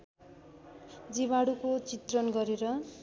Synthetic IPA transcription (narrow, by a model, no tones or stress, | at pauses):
d͡ziβaɽukot͡sit̪rʌnɡʌɾeɾʌ